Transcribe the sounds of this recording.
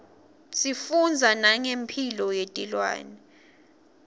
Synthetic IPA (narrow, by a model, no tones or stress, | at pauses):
sifund͡zʱanaŋempʰilɔjetʼilwa̰ːnɛ